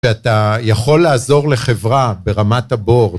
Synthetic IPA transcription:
eatajaχo̞lːaːzo̞ʁle̞χe̞vʁabe̞ʁamathabo̞ʁ

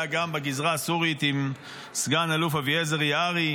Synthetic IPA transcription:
aɡambeɡizʁaːsuʁit̪im | sɡanalufaviezeʁjaʁi

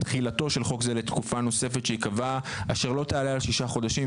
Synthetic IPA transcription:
t̪χilat̪o̞ʃe̞lχo̞kzelet̪kufano̞se̞fet̪ʃeikavaaʃe̞ʁlo̞t̪aːlealʃiʃaχo̞d̪aʃim

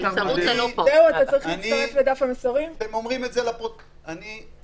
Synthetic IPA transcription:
sauanozeuat̪at͡saʁiχinsiaʁefled̪afamesoʁimtemomʁimetzelapo | ani

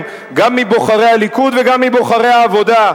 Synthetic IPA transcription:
ɡamːibo̞χaʁehalikud̪veɡamːibo̞χaʁe̞haːvo̞da

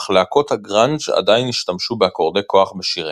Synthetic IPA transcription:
χlaako̞t̪haɡʁand͡ʒa̰d̪ajniʃtamʃubeako̞ʁd̪e̞ko̞aχbeʃiʁe

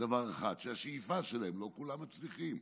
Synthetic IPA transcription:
d̪avaʁaχa̰d̪ʃeaʃejifaʃelaemlo̞kulamːat͡sliχim

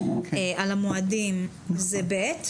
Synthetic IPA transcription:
ealamoadim | zebet̪

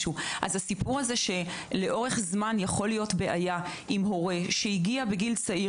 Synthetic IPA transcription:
ʃuʔazasipuʁaze̞ʃe̞le̞ʔo̞ʁe̞χzmanjaχo̞lijotbe̞ʔaja | imɦo̞ʁe̞ʃeiɡiabeɡilt͡saʔi

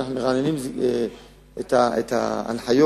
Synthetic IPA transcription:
naχnumeʁanenimze | et̪aet̪a̰a̰nħajo

